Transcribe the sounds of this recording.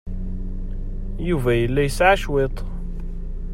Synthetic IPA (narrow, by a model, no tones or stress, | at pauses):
juvæjəlːæjəsʕaʃwet̪ˤ